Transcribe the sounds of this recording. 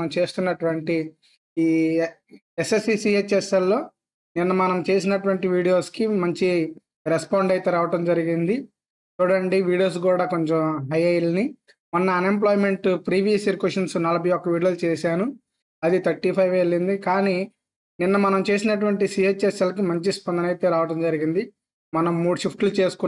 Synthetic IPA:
ɐmt͡ʃe̞ːst̪unːɐʈuʋɐɳʈiː | esesisiet͡ʃːɛsɐlːo̞ː | ninːɐmɐnɐmt͡ʃe̞ːsinɐʈuʋɐɳʈiʋiːɽijo̞ːskimɐɲt͡ʃi | ɾespaːɳɖɐjt̪eːɾaːʋɐʈɐmd͡ʒɐɾiɡind̪i | t̪uːɽɐɳɖiʋiːɽijo̞ːs̬kuːɽaːkoɲt͡ʃomɦɐjɐjlni | munːɐːne̞mp̬loːjime̞ɳʈpɾiːʋijɐsiɾkweʂɐnsunɐlɐbʱɐjɔkːɐʋiːɽijolt͡ʃɛːsaːnu | ɐd̪it̪ʰɐɾʈipʰɐjʋelːind̪ikaːni | ninːɐmɐnɐmt͡ʃe̞ːsinɐʈ̬uʋɐɳʈisiːet͡ʃːeselɐk̬imɐɲt͡ʃispɐnd̪ɐnɐjt̪eːɾaːʋɐʈɐmd͡ʒɐɾiɡind̪i | mɐnɐmːuːɽuʃipʰʈlut͡ʃe̞ːsu̥ku

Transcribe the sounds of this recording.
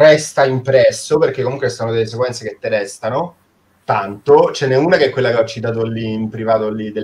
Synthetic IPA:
rɛst̪aimpɾɛsːoperk̟ekːomuŋkweesanod̪elːes̬ekwɛnt̪seket̪ːeɾɛst̪ano | t̪ant̪ot͡ʃɛnːeuːnakeɛkːwelːakeɔt͡ʃːit̪̬aːt̪̬olːiːmpɾivaːt̪olːid̪e

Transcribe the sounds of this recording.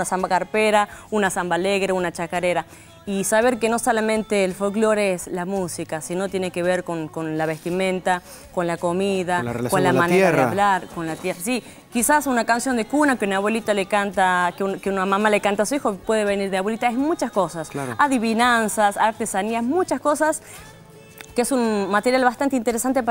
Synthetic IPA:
unasambakaɾpeɾaunasambaleɣɾeunat͡ʃakaɾeɾa | isaβeɾkeno̞solamẽnt̪eːlfolklo̞ɾeslamusikasino̞t̪je̞nekeβeɾkoŋkonlaβest̪imẽ̞nt̪a | ko̞nlakomiðakolammãneaðeaβlaɾkonlat̪jerasi | kisasunakansjo̞nd̪ekunakeunaβwe̞lit̪alekant̪akeunkeunamamalekant̪asuixopwe̞ðeβeniɾðeaβwe̞lit̪aemut͡ʃaskosaskaaðiβinansasaɾt̪esaniamut͡ʃasko̞sas | keesunmat̪eɾjalβast̪ant̪eint̪eɾesant̪ep

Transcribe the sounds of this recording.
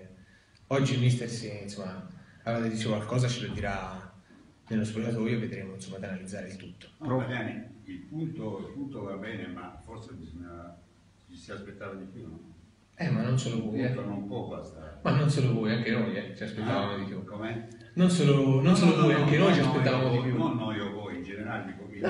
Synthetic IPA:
ɔd͡ʒːimist̪eɾsinsomːaaɾad̪ed̪iːt͡ʃekwalkɔːzat͡ʃilod̪ːiɾa | nelːospok̪at̪oːjoved̪ɾemoinsomːad̪analid̪zːaːɾeilt̪ut̪ːo̥adjaniilpunt̪oilpunt̪ovabɛːnemafɔɾsebizoɲːa | t͡ʃisiaspet̪ːavad̪ipjunɔ | ɛmːanːonsoːlovujjɛt̪onompɔbast̪amanːonsoːlovojaŋk̟enojɛt͡ʃiaspet̪ːavaːmod̪ipjukomɛ | nonsoːlononsoːlovojaŋkenojt͡ʃiaspeːavaːmod̪ipjunɔnːɔiovɔjind͡ʒeneɾaled̪iːkoke

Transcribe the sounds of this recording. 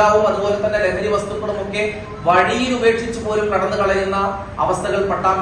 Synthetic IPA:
aːʋumɐðubo̞ːlet̪ːɐnːeɾeŋɾiʋɐst̪upːɐɽumo̞kːe̞ | ʋɐɽijilube̞ːkʂit͡ɕːupo̞ːɾumkɐɽɐnːɨkɐɭɐjunːɐ | ɐ̰ʋɐst̪ʰɐɣɐɭpɐʈːaːm

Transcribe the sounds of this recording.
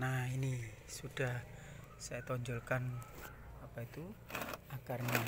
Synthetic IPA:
naini | suɖ̥a̤h | sajat̪ɔɲd͡ʒɔlkan | apait̪uaɡ̥arna

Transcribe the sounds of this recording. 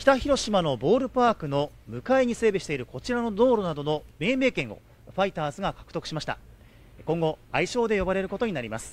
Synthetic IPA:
kçʲi̥t̪açiɾo̞ɕimano̞bo̞ːɾɯ̟paːkɯ̟no̞ | mɯ̟kae̞ɲ̟ise̞ːbeɕi̥t̪e̞iɾɯ̟ko̞t͡ɕiɾano̞d̪o̞ːɾo̞nad̪o̞no̞me̞ːme̞ːkẽ̞ɰ̃o̰ | ɸait̪aːzɨɡakḁkɯ̥t̪o̞kɯ̟̥ɕimaɕi̥t̪a̰ | kõ̞ŋɡo̞aiɕo̞ːd̪e̞jo̞baɾe̞ɾɯ̟ko̞t̪o̞ɲ̟inaɾʲima̰sɨ̥

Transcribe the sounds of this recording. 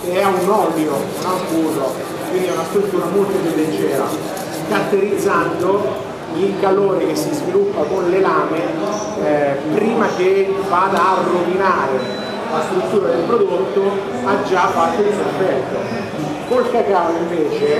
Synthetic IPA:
keɛunɔljounakuːzo | kwind̪ɛunast̪ɾut̪ːuːɾamolt̪opjud̪ːent͡ʃɛːɾa̰ | kat̪ːeɾid̪zːand̪o | ikaloːɾik̟esːizvilupːakonlelaːme | pɾiːmak̟evad̪arːovinaːɾe | last̪ɾut̪ːuːɾad̪elpɾod̪ot̪ːo | ad͡ʒːafːat̪ːod̪iperfɛt̪ːo | kolkakaːliɱveːt͡ʃe

